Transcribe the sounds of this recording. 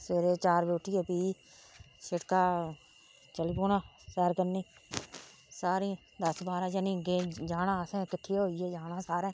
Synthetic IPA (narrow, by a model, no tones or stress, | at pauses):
seːɾeːt͡ʃaːɾbeːʈʰːijeːpiː | ʃɪʈkaː | t͡ʃəliːpoːnaː | sɛːɾkəniː | saːɾiː | d̪əsbaːɾaːd͡ʒənĩːɡẽːd͡ʒaːnaːəsẽːkɪʈʰːeːɦoːieːd͡ʒaːnãːsaːɾẽː